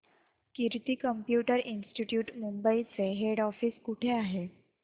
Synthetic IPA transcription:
kiɾt̪iːkəmpjuʈəɾinsʈiʈjuːʈmumbəit͡seɦeɽɔfiːskuʈʰeaɦe

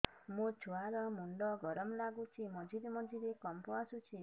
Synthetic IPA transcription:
mũd͡ʒʰʱuaɾɔmuɳɖɔɡɔɾɔmlaɡut͡ʃʰimɔd͡ʒiɾemɔd͡ʒiɾekɔmpɔasut͡ʃʰi

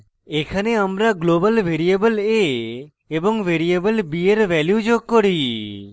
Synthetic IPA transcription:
ekʰaneəmɾaɡlobəlʋʱeɾiebəleː | bɔŋʋeɾiebəlbieɾʋɛljud͡ʒoɡ̚kːɔɾi

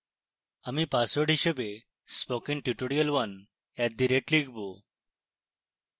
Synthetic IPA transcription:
amipasʋəɽ̤iɕəbe | spɔkĩŋʈuʈoɽijəlʋən | jat̪̚d̪iɾeʈliɡbo

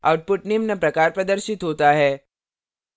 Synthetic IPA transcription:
a̰ːʊʈ̚pʊʈneːmnɐpɾɐkaːɾpɾɐd̪əɾʃɪt̪ɦoːt̪aɦɛː

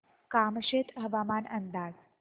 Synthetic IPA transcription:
kamɕet̪ɦəʋamanənd̪aːd͡z

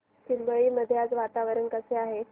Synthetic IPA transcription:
simbəɭiːməd̪ʱːjat͡sʋat̪aʋəɾənkəseaɦe

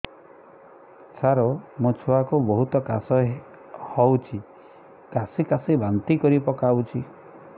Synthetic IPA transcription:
t͡ʃʰaɾomot͡ʃʰoakubɔɦut̪ɔkasɔ | hɔwt͡ʃʰi | kasikasebant̪ikɔɾipɔkawt͡ʃʰi

